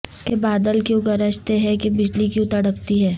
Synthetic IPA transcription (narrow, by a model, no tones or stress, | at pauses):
kebaːd̪əlkjõɡɐɾəʃt̪eɦɛkebɪd͡ʒlikjuʊ̃t̪ɐɽəkt̪iɦɛː